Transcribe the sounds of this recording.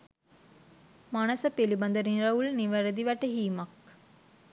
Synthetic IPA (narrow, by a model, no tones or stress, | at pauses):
mɐnɐsɐpelibɐnd̪ɐɾinɾɐʋuɭniʋɐɾɐd̪iʋɛʈːɐɦiːmɐk̚